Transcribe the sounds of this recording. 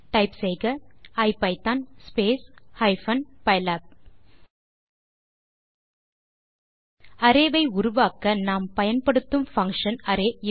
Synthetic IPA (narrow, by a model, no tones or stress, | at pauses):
ʈɐɪpsɛɪɣɐɐɪpɐɪt̪aːnspeːshɐɪfɐnpɐɪlaːp̚ | ɐɾeːʋɐɪʊɾʊʋaːkɐnaːmpɐjɐnpɐɽɯt̪ːɯmfɐŋkʂɐnɐɾeːɪ